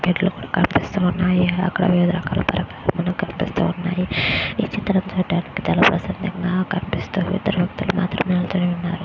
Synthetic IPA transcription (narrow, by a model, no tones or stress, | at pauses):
ɡeɖɐlukuːɽaːkɐpist̪uːunːaːjiɐ̰kːɐɽɐ̰ʋiʋid̪ʱɾɐka̰ːlɐ̰pɐ̰ɾɐkalɐmɐnɐkɐmpist̪ṵːunːa̰ːjiiːt͡ʃit̪ːɐɾɐnd͡ʒoːʈaːnikːi̥t͡ʃaːlaːpɾɐsɐnd̪ɐŋɡakɐɾpist̪uːʋḭd̪ɐɾbʱɐkt̪uluma̰ːt̪ɾɐmeːlut͡ʃɐniʋunːaːɾu